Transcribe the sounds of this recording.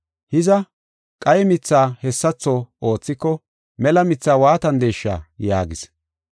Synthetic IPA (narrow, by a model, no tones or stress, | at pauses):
hɪzɐ | kʼɐjɛmɪt͡sːaːhɛsːɐt͡sːoːo̞ːt͡sːɪkːɔ | mɛlɐmɪt͡sːaːwaːt̪ɐnd̪eːʃːa̰ːjaːɡɪs